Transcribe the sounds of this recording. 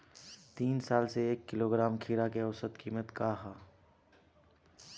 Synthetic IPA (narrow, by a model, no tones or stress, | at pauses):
t̪iːnsaːlseeːkːɪloːɡɾaːmkʰiːɾakeɔsət̪kiːmət̪kaːɦaː